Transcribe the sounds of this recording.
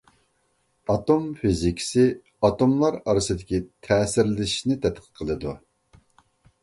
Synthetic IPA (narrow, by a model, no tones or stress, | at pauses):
ɑt̪omfizikʲʰi̥sɪ | ɑt̪omlˠɑɾɑɾɨsɨd̪ɪkʲit̪ʰɛːsɪɾlɪʃnɪt̪ʰɛt̪̚qʰə̥t̚qʰəlˠɨd̪u